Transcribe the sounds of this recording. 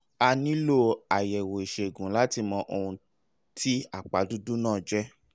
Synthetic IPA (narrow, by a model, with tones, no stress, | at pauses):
a˧nĩ˦lo˦a˨jɛ˨wo˨i˨ʃe˨ɡũ˨˦la˦ti˧mɔ̃˧ʔo˧hũ˧ | tʰi˦a˦˨k͡pa˨˦du˦du˦nãː˦˨d͡ʒɛ˦